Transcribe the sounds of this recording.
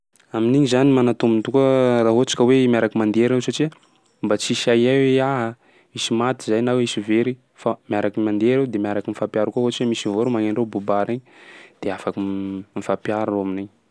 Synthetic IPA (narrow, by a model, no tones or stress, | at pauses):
aminiɲizanimanat̪umint̪ukaraɦot͡ʃḁkʲəwemjaɾakimand̪eɾewsaʈ͡ʂia | mbat͡siʃajajweaɦə | misimat̪izajnawisiveɾi | famjaɾakimand̪eɾewd̪emjaɾakimifapjaɾakoɦot͡ʃmisivoɾumaŋeɳɖ͡ʐebubaɾeɲd̪̥eafakimifapjaɾaaminiɲ